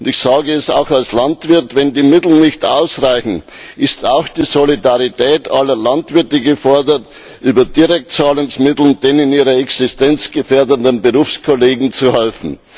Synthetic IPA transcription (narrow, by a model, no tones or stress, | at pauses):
ʊndɪçsaːɡəɛsa̰ʊxalslantv̥ɪɐtvɛndiːmɪtl̩n̩nɪçta̰ʊsʁaɪçn̩ | ʔɪstaʊxd̥iːzolidaʁitʰɛːtalɐlantv̥ɪɐtəɡəfɔɐdɐt | ʔyːbɐdiʁɛk̚tt͡saːlʊŋsmɪtl̩nd̥eːnɪniːʁɐɛksɪstɛnt͡sɡ̥əfeːɐdəndənbəʁuːfskʰoleːɡŋ̩t͡suhɛlfn̩